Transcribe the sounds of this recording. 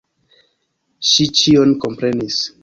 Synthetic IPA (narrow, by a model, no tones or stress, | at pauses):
ʃit͡ʃionko̞mpɾe̞nis